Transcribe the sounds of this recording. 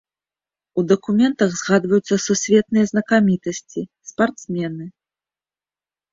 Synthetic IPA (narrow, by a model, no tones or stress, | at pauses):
ud̪ɐkumʲɛnt̪ɐɣzɣad̪vɐjut̪sːɐsusʲvʲɛt̪nɨjɐznɐkamʲit̪ɐsʲt͡sʲispart̪smʲɛnɨ